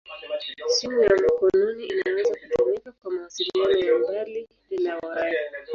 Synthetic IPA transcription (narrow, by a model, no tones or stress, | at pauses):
simujamakɔnuniinawɛzakutuunikakwamaasilianɔjaambaliininawaɾai